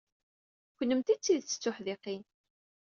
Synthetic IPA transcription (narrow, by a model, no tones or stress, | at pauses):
kʷnːəmt̪it͡sːiðt͡sːə̥t͡sːʊħðiqin